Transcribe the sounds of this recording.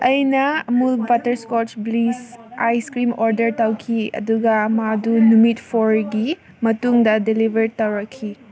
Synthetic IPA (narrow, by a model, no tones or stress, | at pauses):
ʔɐjnɐmulbatɐɾskot͡ʃblisajskɾimoɾdɐɾtawkʰiɐ̰duɡɐmadunumitpʰoɾɡi | mɐtuŋdɐdilibɐɾtɐwɾɐkʰːi